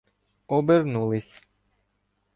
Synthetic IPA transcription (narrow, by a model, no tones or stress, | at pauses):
ɔbɛɾnulis